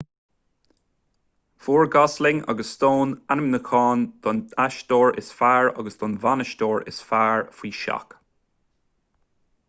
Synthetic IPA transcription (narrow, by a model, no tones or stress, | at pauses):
v̥uːɹɡɔslɪŋɑ̰ɡəsːtoːnanɪmnəkʰɑːnd̪̥ɔnaʃd̪̥ɔːɹʔɪ̰sfaːɹɑ̰ɡəsd̪̥ɔnvanəʃd̪oːɹɪ̰sfaːɹfwiːʃa̰k